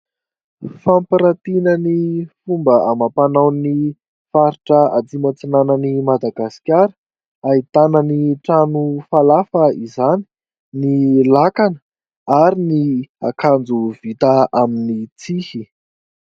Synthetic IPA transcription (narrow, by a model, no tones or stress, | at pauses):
fampiɾat̪inənifumbəʔamapanawni | faɾiʈ͡ʂəat͡s̪imat͡sinanənimad̪aɡasi̥kʲaɾə̥ | ait̪anəniʈ͡ʂanufalafəizani̥ | nilakanə̥ | aɾinia̰kʰand͡zuvit̪əaminit͡sihi